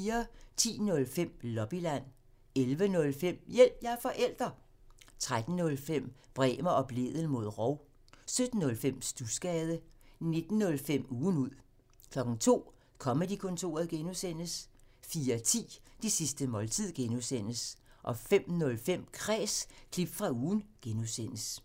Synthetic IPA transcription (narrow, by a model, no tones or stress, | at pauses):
iːɐt͡sʰḭːnɔ̽lfem̰lɒ̽b̥ilæn̰ | elʋənɔ̽lfem̰jel̰b̥jɑ̈ɐfɒ̽ʔel̰d̥ʁɐ | t͡sʰʁad̥n̩ːɔ̽lfem̰b̥ʁɛ̰ːmɐʔɒ̽b̥le̝̰ðˠəl̩mo̝ð̞̰ˠʁɒʊ̰ | sød̥n̩ːɔ̽lfem̰sd̥usɡ̥ɛːð̞ˠəne̝d̥n̩ːɔ̽lfem̰uːn̩uð̰ˠ | kʰlɒ̽ɡ̥ŋ̩t͡sʰo̝̰ː | kʰɒ̽məd̥ikʰɔ̽nt͡sʰo̝̰ːɐð̩ˠɡ̥enusen̰əsfiːɐt͡sʰḭːd̥isisd̥əmɒ̽lt͡sʰið̞̰ˠɡ̥enusen̰əsʔɒ̽fem̰nɔ̽lfem̰kʰʁɛːskʰlib̥fʁɑ̈uːnɡ̥enusen̰əs